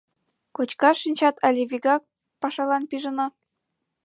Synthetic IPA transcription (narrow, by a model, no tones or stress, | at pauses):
kot͡ɕkɑʃinʲt͡ɕɑt̪ʰɑlʲeβʲiɡɑk̚ | pɑʃɑlɑnpiʒə̆nɑ